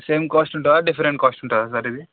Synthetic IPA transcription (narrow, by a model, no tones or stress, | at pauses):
seːmkaːsʈuɳʈaaɖipʰɐɾeɳʈ̚kaːsʈuɳʈaːs̬ɐɾid̪i